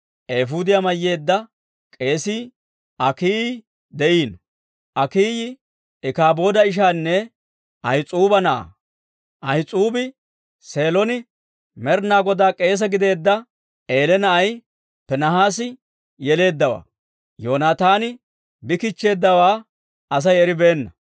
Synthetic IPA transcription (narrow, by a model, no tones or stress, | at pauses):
ʔeːfud̪ɪjamɐjːe̞ːd̪ːɐ | kʼe̞ːsiː | ʔɐkiː | d̪ɛʔiːn | ʔɐkiːjɪ | ɛkaːbo̞ːd̪ɐɪʃ̬aːnːɛ | ʔɐjɪt͡sʼuːbɐnɐʔa̰ː | ʔɐjɪt͡sʼuːbɪ | se̞ːlɔnɪ | mɛɾnaːɡɔd̪aːkʼe̞ːs̬ɛɡɪd̪e̞ːd̪ːɐ | ʔe̞ːlɛnɐʔɐj | pɛnɐɦaːsɪ | jɛle̞ːd̪ːɐwa̰ː | joːnaːt̪aːnɪ | bɪkɪt͡ʃːe̞ːd̪ːɐwaː | ɐs̬ɐjɛɾɪbe̞ːnːɐ